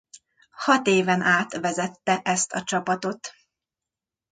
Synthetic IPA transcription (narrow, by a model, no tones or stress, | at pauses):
hɒt̪eːvɛnʔaːt̪ʋɛzɛt̪ːɛʔɛst̪ɒt͡ʃɒpɒt̪o̞t̪